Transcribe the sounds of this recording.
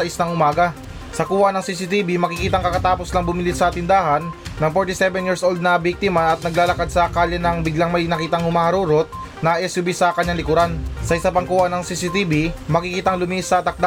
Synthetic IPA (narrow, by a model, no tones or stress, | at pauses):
ɐʔɪst̪ɐŋʔʊmaːɡɐ | sɐkuːwaʔnɐŋsiːsɪt̪ibimɐkɪkiːt̪ɐŋkɐkɐt̪aːposlɐŋbʊmɪlisɐt̪ɪnd̪aːɦɐnːɐŋfoɹt̪ɪsɛbɛnjiɹsʔold̪̚nɐbik̚t̪ɪmaʔɐt̪̚nɐɡlaːlɐkad̪̚sɐkaljɐnɐŋbɪɡlaŋmɐjnɐkiːt̪ɐŋhʊmaːhɐɾuːɾot̪̚ | nɐʔɛsʊbisɐkɐɲaŋlɪkʊɾansɐʔɪsapɐŋkuːwaʔnɐŋsiːsit̪iːbimɐkikiːt̪ɐŋlʊmiːʔsɐt̪ɐk̚d̪a